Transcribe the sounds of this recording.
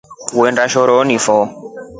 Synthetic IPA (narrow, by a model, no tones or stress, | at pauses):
wendaʃɔɾɔnifɔ